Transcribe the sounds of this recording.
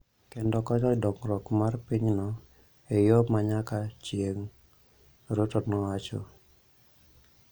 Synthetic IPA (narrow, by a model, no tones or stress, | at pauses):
kendɔkɔɲɔdɔŋɾɔkmarpiɲnɔ | ejomaɲakat͡ʃjeŋ | ɾotonɔwat͡ʃo̰